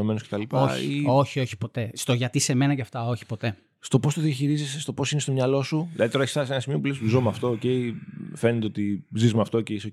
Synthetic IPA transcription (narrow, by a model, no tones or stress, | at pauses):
ome̞noskcet̪ɐlipao̰io̞çio̞çi̥po̞t̪e̞st̪o̞ʝɐt̪ise̞me̞nɐceɐft̪ɐo̞çi̥po̞t̪e̞ | st̪o̞po̞st̪o̞ðiɐçiɾizesest̪o̞po̞sinest̪omɲɐlo̞suðilɐðit̪oɾeçsɐsenɐsimio̞pulesispuzomɐft̪o̞ːce̞ife̞net̪eot̪izizmɐft̪o̞ce̞iso